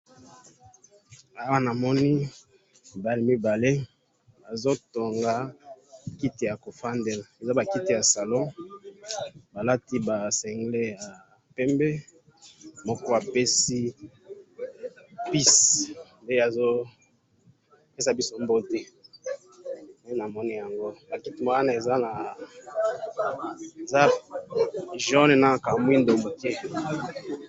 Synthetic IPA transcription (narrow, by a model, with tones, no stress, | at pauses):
a˨wa˦na˨mɔ˦ni˦ | i˨ba˨le˨˦mi˦ba˨le˦ | a˨zo˦to˨ŋɡa˦ | ki˦ti˨ja˨ko˨fa˦ndɛ˨la˨e˨za˦ba˨ki˦ti˨ja˨sa˨lɔ̃˦ | ba˨la˦ti˦ba˨sɛ˨ŋɡle˦ja˨ | pɛ˦mbe˦ | mɔ˦kɔ˦a˨pe˦si˦ | pi˦snde˦a˨zo˦ | pe˦sa˨bi˦so˦mbo˦tɛ˦ | n˨˦na˨mɔ˦ni˦ja˨ŋɡo˦ba˨ki˦ti˦ma˨˦a˦na˨e˨za˦na˨ | e˨za˦ | ʒɔ˦ne˨na˦˨ka˨mu˦i˦ndo˨mbo˨ke˦